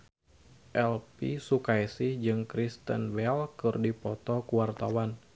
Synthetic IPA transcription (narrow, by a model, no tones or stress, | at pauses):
ʔɛlpisukajsihd͡ʒɨŋkɾist̪ə̰nwɛlkɨrdipɔt̪ɔkuwart̪awan